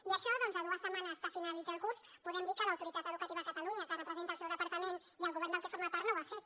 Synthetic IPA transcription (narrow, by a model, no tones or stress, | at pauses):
iəʃɔðɔnzəðuəsəmanəsfafinalizalˠkuɾspuðɛmd̪ikəlɐwt̪uɾit̪at̪əðukɐt̪iβakət̪aluɲək̪ərəpɾəzənalsɛwðəpaɾt̪əmen | iəlˠɣuβɛɾnd̪əlˠkə̥foɾmapaɾt̪noβafe